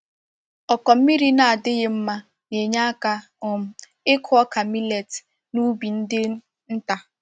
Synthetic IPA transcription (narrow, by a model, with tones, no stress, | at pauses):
ɔ˨kɔ˨m̩˦mi˦ɾi˦na˨a˨dɪ˦ɣɪ˦m̩˦ma˦ | ne˨ɲa˦a˦ka˦ | ʊ˨m̩˦ | ɪ˦kʰʊ˦ɔ˦ka˨mi˦le˨t | nu˦bi˨n̩˦dɪ˦ | n̩˦ta˨